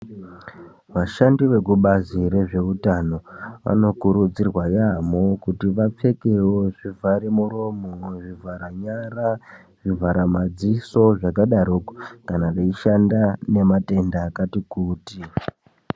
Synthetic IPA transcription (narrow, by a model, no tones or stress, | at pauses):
ʋaʃandiʋe̞kuɓazire̞ʐe̞utano̞ʋa̰no̞kuɾud͡zirwajamokutiʋap͡fe̞kewoʐivʱaɾemuro̞moʐivʱaɾaɲara | ʐ̥ivʱaɾamad͡ziso̞ʐakaɗaɾoko̥kanaʋeiʃandane̞mate̞ndaːkatikuːti